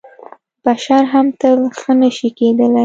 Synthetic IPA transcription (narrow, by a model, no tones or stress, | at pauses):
b̥aʃɑɾɦamt̪əlxənəʃiked̪əlaj